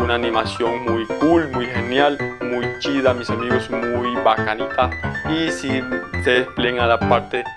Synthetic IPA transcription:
unaːnimasjoŋmujkulmujxenjalmujt͡ʃiðamisamiɣosmujbakanit̪aisisepleŋalapaɾt̪e

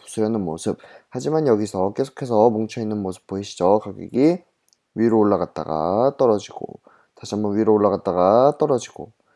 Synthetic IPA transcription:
pu̥sʰɯɾjʌnɯnmosʰɯp̚had͡ʑimanjʌɡisʰʌk͈e̞sʰo̥kʰe̞sʰʌmoŋt͡ɕʰʌinːɯnmosʰɯ̥p̚p͈oiɕʰi̥d͡ʑokaɡḭɡi | ɥiɾoːɭːaɡat̚t͈a̰ɡa̰t͈ʌɾʌd͡ʑiɡo̰ | taɕʰiambʌnwɥiɾooɭːaɣat̚t͈aɡat͈ʌɾʌd͡ʑiɡ̥o

